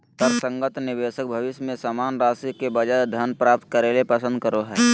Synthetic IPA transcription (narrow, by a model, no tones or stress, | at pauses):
t̪əɾsə̃ŋɡət̪nɪʋeːʃək̚bʱəʋɪʃmẽsaːmaːnɾaːsikebəd͡ʒad̪ʱənpɾaːp̚t̪̚kəɾeːlepəsə̃nd̪̚kəɾoɦɛː